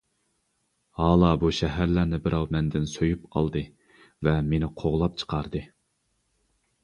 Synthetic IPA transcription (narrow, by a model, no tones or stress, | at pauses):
hɑːlˠɑbuʃɛɦæɾlæɾnɪbɪɾʔɑwmɛnd̪ɪnsojupqʰɑ̰lˠd̪ɨ | vɛmenɪqʰoʁlˠɑp̚t͡ʃʰə̥qʰɑɾd̪ɨ